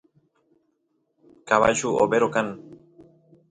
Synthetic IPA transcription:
kaβa̰ʃuʔo̰beɾokan

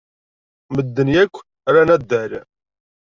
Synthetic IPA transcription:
məd̪ːənjækʷː | ɾænæd̪ːæɾ

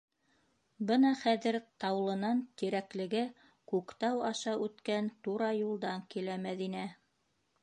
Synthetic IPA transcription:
bɤnɑχæðɘɾt̪ɑwlˠɤ̆nɑnt̪iɾæklɘ̆ɡɘ | kʉkt̪ɑwɑʃɑʔʉt̪kænt̪uɾɑjulˠd̪ɑŋkilæmæðinæ

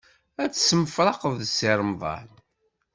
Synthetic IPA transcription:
æt͡sːsəmfɾˤɑqəvðsiɾˤəmðˤɑ̰n

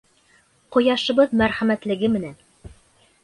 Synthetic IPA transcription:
qŏjɑʃɤ̆βɤðmæɾχæmæt̪lɘ̆ɡɘmɘ̆næn

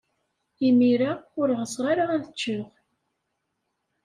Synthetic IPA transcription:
imiɾaʊɾʁəsʁaɾaænθət͡ʃːʊʁ

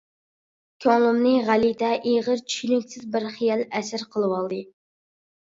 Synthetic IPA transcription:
kʲʰɑlˠɨmnɨʁælid̪ɛʔeʁəɾt͡ʃʰy̥ʃynykʲsɪzbɪɾχijɛlɛsɪɾqʰəlˠɨwɑlˠd̪ɨ

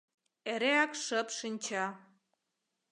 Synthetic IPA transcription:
eɾeɑkʃə̆pʃɨnʲt͡ɕɑ

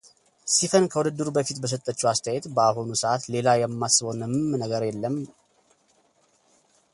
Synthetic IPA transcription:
sifənkʰəwud̪ɨd̪ːɨɾubəfit̪bəs̬ət̪ʼːət͡ʃːuast̪ʰəajɛt̪bəaɦunusəʔat̪le̞lajɛmːasːɨβonɨmmnəɡəɾjɛlːəm

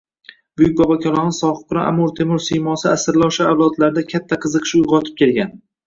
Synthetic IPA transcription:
bʊjɪk̚ʲbɒbakʲʰɒlˠɒnɪsɒχɨqʊɾaʔa̰mʊɾt̪ʰe̞mʊɾsijmɒsɪasɪɾlˠɒwʃaawlˠɒt̪laɾɪd̪akʲʰat̪ʰːaqʰɨzɨqʰɨ̥ʃʊjʁɒt̪ʰɪ̥p̚kʲʰe̞lɡʲan

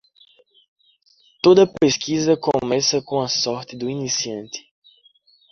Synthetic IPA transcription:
t̪od̪ɐpeskizɐkõmɛsɐkõɐsɔɾt̪ɪd̪ʊinisiɐ̃nt̪ɪ̥

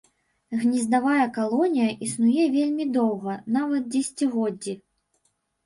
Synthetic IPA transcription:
ɣnʲizd̪avajɐkalˠɔnʲijɐʔisnujɛvʲelʲmʲid̪ɔwɣɐnavɐt̪̚d͡zʲɛsʲt͡sʲiɣɔd͡zʲːi

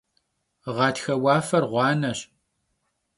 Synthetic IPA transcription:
ʁɑːtxɐwɑːfɐrʁʷɑːnɐɕ

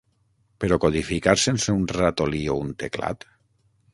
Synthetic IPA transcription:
peɾɔkoðifikaɾsenseunrat̪oliount̪ekla̰t̪

